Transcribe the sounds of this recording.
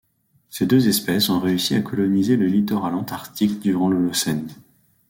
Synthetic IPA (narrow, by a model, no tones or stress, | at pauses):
sed̪øzɛspɛsɔ̃ʁeysiakɔlɔnizeləlit̪ɔʁalɑ̃t̪aʁt̪ikd̪yʁɑ̃ləlɔsɛn